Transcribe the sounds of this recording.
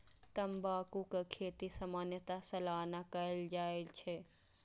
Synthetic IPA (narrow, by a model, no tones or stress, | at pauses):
t̪ɐmbaːkukekʰeːt̪isɐmaːnjət̪asɐlaːnakɐld͡ʒaːet͡ʃʰe